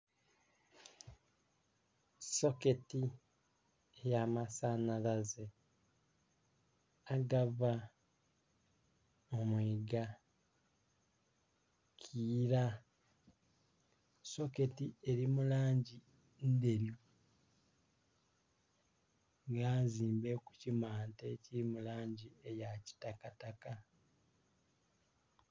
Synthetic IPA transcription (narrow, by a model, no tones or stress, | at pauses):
so̞ke̞ti | ejamasanalaze | aɡava | omweːɡa | kʰiːɾa | so̞ke̞tie̞ɾimulaːɲɟi | nde̞ɾjo | ŋɡaːziːmbe̞ku̥cimaːnteciɾimulaːɲɟie̞jaci̥takataka